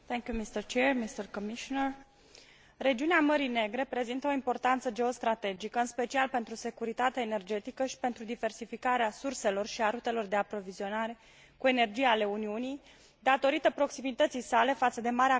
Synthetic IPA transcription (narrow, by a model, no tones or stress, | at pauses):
t̪ɛŋkjumist̪ərt͡ʃermist̪ərkomiʃonər | re̞d͡ʒiuneaməɾine̞ɡɾe̞pɾe̞zint̪əoimpo̞rt̪ant̪səd͡ʒe̞o̞st̪ɾat̪e̞d͡ʒikəɨnspe̞t͡ʃialpe̞nt̪ɾuse̞kuɾit̪at̪eaene̞rd͡ʒe̞t̪ikəʃi̥pe̞nt̪ɾud̪ive̞rsifikaɾeasurse̞lo̞rʃiaɾut̪e̞lo̞rd̪e̞apɾo̞vizio̞naɾe̞ | kue̞nerd͡ʒijale̞uniunij | d̪at̪o̞ɾit̪əpɾo̞ksimit̪ət̪sijsale̞fat̪səd̪e̞maɾea